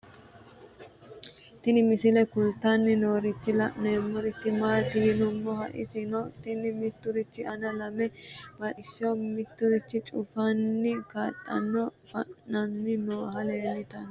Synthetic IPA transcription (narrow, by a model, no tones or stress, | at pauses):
t̪ɪnɪmɪsɪlɛkʊlt̪ːɐnːɪno̞ːɾɪt͡ʃːɪlɐneːmːɔɾɪt̪ːɪmaːt̪ɪhɪnʊmːɔhɐ̰ʔɪ̰sɪnɔt̪ɪnɪmɪt̪ːʊɾɪt͡ʃːɪɐnɐlɐmɛb̥ɐʔɪʃɔmɪt̪ːʊɾɪt͡ʃːɪt͡ʃʼʊfɐnːɪkɐt̪ʼːɐ̰nːɔfɐ̰nːɐnːɪnoːɦɐleːnːɪt̪ɐn